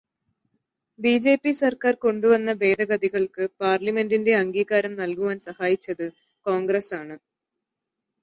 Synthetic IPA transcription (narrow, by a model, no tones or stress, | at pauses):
biːd͡ʑe̞ːpːisɐrkaːrko̞ɳɖuʋɐnːɐʋe̞ːd̪ɐɣɐd̪iɣɐɭkɨpaːrlɐme̞ndinde̞ɐŋɡiːɣaːɾɐmnɐlkuʋaːnsɐhaːjit͡ɕːɐðɨ | ko̞ːŋɡresaːɳɨ